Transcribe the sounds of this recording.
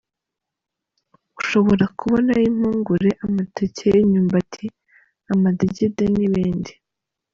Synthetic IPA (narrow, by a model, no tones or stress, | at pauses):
ɡ̥uʃo̞βo̞ɾakuβonajim̥uːŋɡuɾeʔamateceiɲuːmbatʰi | amadiɟideniβiːndi